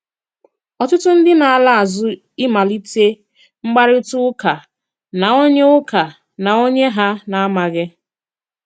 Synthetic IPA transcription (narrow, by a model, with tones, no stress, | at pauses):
ɔ˨tʊ˦tʊ˦n̩˦dɪ˦na˨a˦˨la˦a˨zʊ˦ | ɪ˦ma˨li˦te˦ | ŋ͡m̩˦ɡ͡ba˦ɾɪ˦tʊ˦ʊ˦ka˨ | na˨o˦ɲe˦ʊ˦ka˨ | na˨o˦ɲe˦ɦa˦na˨a˦ma˨ɣɪ˦